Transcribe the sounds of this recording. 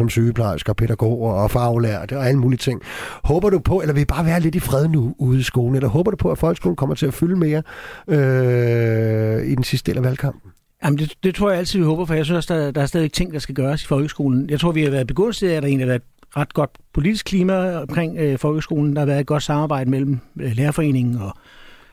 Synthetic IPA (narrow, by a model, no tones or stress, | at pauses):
sɒ̽msyːəpʰlɑ̈ɪsɐːpʰe̝ɾæɡ̥o̰ːɐːfɑ̈ʊlæɐ̰d̥ɒ̽æləmuːliət͡sʰe̝ŋ̰hɔ̽ːb̥ɐɾupʰɒ̽elɐʋe̝b̥ɑ̈ːʋæːɐle̝d̥ifʁɛð̞ˠnuuːð̩ˠisɡ̥o̝ːln̩elɐɦɔ̽ːb̥ɐɾ̥upʰɒ̽æfɒ̽lɡ̥əsɡ̥o̝ːln̩kʰɒ̽m̰ɐt͡sʰe̝æfyləme̝ːɐø | id̥ensisd̥d̥ḛːlæʋælkʰɑ̈m̰b̥n̩ | jæmnd̥e̝d̥e̝t͡sʰʁo̝ɐ̰jɑæl̰t͡sʰið̰ˠʋihɔ̽ːb̥ɐfɒ̽jɑɪsynsɒ̽sd̥ɑd̥ɑ̈æɐsd̥ɛðˠʋeɡ̥t͡sʰe̝ŋ̰d̥ɑ̈sɡ̥æɡ̥ɶːɐsi̥fɒ̽lɡ̥əsɡ̥o̝ːln̩jɑɪt͡sʰʁo̝ɐ̰ʋihɑ̈ʋæːɐðˠb̥e̝ɡ̥ɔ̽n̰siðˠæɾ̥ɑ̈e̝ːnlihɑʋæɐed̥ | ʁɑ̈d̥̚ɡ̥ɒ̽d̥pʰo̝lid̥isɡ̥̚kʰliːmæɒmkʰʁeŋ̰øfɒ̽lɡ̥əsɡ̥o̝ːln̩d̥ɑhɑʋæɐðˠed̥̚ɡ̥ɒ̽d̥sɑ̈mɑ̈ːb̥ɑ̈ɪ̰d̥əmel̰m̩leːɐfɒ̽e̝̰ːne̝ŋn̩ɒ̽